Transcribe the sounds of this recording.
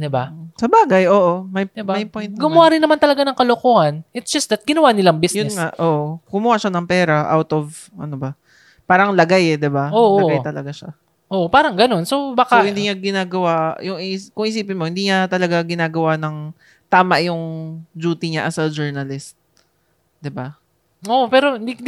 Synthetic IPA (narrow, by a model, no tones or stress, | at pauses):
d̪ɪbasɐbaːɡɐjʔo̞ːʔomɐjd̪ɪbmɐjpojnɡʊmʊwaɾɪnːɐmant̪ɐlɐɡanɐŋkɐlokoːhɐnʔɪt̪sd͡ʒ̥ɐstd̪ɐt̪̚ɡɪnɐwanɪlaŋbisjʊɛnŋaʔoːʔokʊmuhaʃanɐŋpɛːɾɐʔa̰wt̪ov | ʔɐnobɐ | paːɾɐŋlɐɡajɛd̪ɪbaoːolɐʔɡajt̪ɐlɐɡaʃa | ʔoːʔopaːɾɐŋɡɐno̞nso̞baːkaohɪnd̪iŋaɡɪnaːɡɐwajʊŋikʊŋʔɪsiːpɪnmo̞hɪnd̪iːɲat̪ɐlɐɡaɡɪnaːɡɐwanɐŋ | t̪aːmɐʔjʊŋd͡ʒuːt̪ɪɲaʔɐsɐd͡ʒɛɹnɐlɪst̪̚ | d̪ɪba | oʔpɛːɾoɪnd̪i